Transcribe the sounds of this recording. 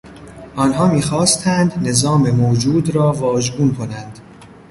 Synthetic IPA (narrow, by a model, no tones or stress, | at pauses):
ʔɒːnɦɒːmiːxɒːst̪ʰænd̪ne̞zɒːmemoːd͡ʒuːd̪ɾɒːvɒːʒbuːnkʰo̞nænd̪̥